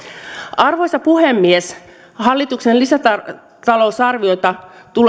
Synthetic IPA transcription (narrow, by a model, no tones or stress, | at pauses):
ɑrʋo̞jsɑpuhemːies | hɑlːit̪uksenlisæt̪ɑ | t̪ɑlo̞usɑrʋio̞jt̪ɑt̪ul